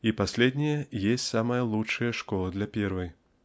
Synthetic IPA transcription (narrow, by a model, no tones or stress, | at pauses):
ipasʲlʲɛd̪ʲnʲɛjɛjesʲt͡sʲsamɐjɐlˠut͡ʂːɐjɐʂkɔlˠɐd̪lʲɐpʲɛrvɨj